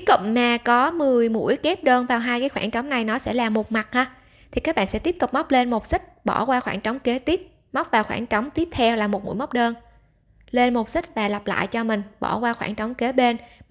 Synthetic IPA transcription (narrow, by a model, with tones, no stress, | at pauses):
i˦kə̰˧˨mmaː˨˩kɔ˨˦mɨ˨˩əjmṵ˧˥əjke˦˥p̚ɗəː˧nvaː˨˩wɦaː˧jkaː˨˦jxwaː˧˩ŋt͡ɕɔ˨˦wŋ͡mna˨˩jnɔ˨˦sɛ̰˧˥laː˨˩mo˨˩t̚ma˨˩t̚haː˧ | t̪ʰi˨kaː˦˥k̚ɓa̰ː˧˨nsɛ̰˧˥i˦˥p̚t̪ʊ˨˩k͡p̚ma˦˥wk͡p̚le˧nmo˨˩t̚sï˦˥k̟̚ɓɔ˧˩kwaː˧xwa̰ː˧˩nt͡ɕɔ˨˦wŋ͡mke˨˦t̪i˦˥p̚ | ma˦˥wk͡p̚vaː˨˩wxwaː˧˩ŋt͡ɕɔ˨˦wŋ͡mt̪i˦˥p̚t̪ʰɛ˧wlaː˨˩mo˨˩t̚mṵ˧˥jma˦˥k͡p̚ɗəː˧n | le˧nmo˨˩t̚si˦˥k̚vaː˨˩la˨˩p̚la̰ː˧˨jt͡ɕɔ˧mï˨˩ŋ̟ɓɔ̰˧˩kwaː˧xwaː˧˩ŋt͡ɕɔ˨˦wŋ͡mke˨˦ɓe˧n